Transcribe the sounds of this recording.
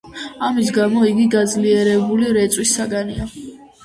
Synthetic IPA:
amis̬ɡamɔiɡiɡad̪zliɛɾɛbuliɾɛt̪sʼwisːaɡania

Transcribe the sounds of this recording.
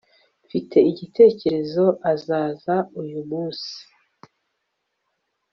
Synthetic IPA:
fitʰe̞iɟitʰe̞ːce̞ɾe̞zo̞ʔazaːzaujumuːnsi̥

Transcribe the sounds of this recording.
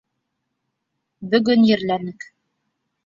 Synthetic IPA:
bɵ̆ɡɵnjɘ̆ɾlænɘk

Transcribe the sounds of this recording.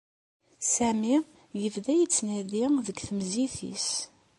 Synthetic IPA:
sæmi | jəvðæjit͡sːnæðiðəɡθəmziθḭs

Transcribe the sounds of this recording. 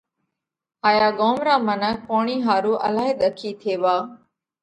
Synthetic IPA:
haːjaːɠoːmɾaːmənək̚paːɳiːɦaːɾuːʔə̰laːɦeːɗ̪əkʰiːt̪ʰeːʋaː

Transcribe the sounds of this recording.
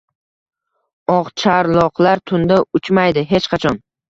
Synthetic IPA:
ɒʁt͡ʃʰaɾlˠɒqlaɾt̪ʰʊnd̪aʊt͡ʃmajd̪ɪɦe̞t͡ʃqʰɑt͡ʃʰɒn

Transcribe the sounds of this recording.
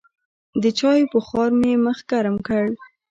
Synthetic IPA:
d̪ət͡ʃɑjepəxɑɾmeməxɡaɾəmkəɽ

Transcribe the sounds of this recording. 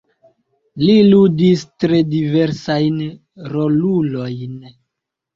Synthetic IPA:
liludistɾe̞diveɾsajn | ɾolulo̞jn

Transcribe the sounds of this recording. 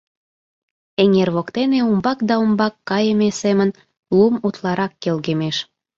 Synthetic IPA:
eŋerβokt̪eneumbɑk̚d̪ɑumbɑkːɑjəmesemən | lumut̪lɑɾɑkːelɣemeʃ

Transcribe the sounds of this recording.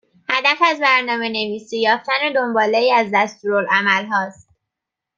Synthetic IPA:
hæd̪æfæzbæɾnɒːme̞ne̞viːsijɒːft̪æne̞d̪o̞mbɒːleiːæzd̪æst̪uːɾolʔæmælɦɒːst̪

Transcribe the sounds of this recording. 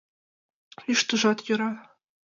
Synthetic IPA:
iʃt̪ɤ̆ʐɑt̪jɤ̆ɾɑ

